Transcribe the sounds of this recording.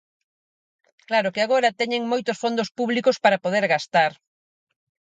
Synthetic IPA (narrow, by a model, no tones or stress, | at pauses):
klaɾʊkɪaɣoɾɐt̪ɛɲeŋmojt̪osfond̪ospuβlikospaɾapoðeɾɣast̪aɾ